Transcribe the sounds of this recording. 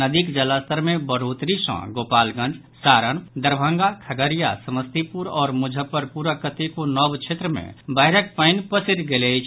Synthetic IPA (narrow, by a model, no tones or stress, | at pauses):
nəd̪ikd͡ʒəlast̪ʰəɾmẽbəɽ̤oːt̪ɾisə̰̃ɡoːpaːlɡə̃ɳɖ | saːɾənd̪əɾbʱə̃ŋɡakʰəɡəɾija̰səməst̪ipuɾɔːɾmʊd͡ʒʱəpːəɾpuːɾakət̪ikonɔbt͡ʃʰet̪ɾəmḛ̃bəɦɪɾəkpəɪnpəsiɾɡelet͡ʃʰ